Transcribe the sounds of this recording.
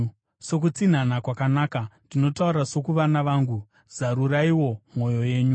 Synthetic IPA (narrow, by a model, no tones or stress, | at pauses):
so̞k̬ut͡sin̤anakwakanaːkandino̞tauɾaso̞kuʋanaʋaːŋɡu | zaɾuraiwo̞mo̞jo̞je̞ːɲu